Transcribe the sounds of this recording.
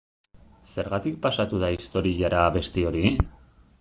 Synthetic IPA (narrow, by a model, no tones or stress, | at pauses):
se̞ɾɣat̪ik̚pasat̪uð̞aist̪o̞ɾiʝaɾaβe̞st̪eo̞ɾi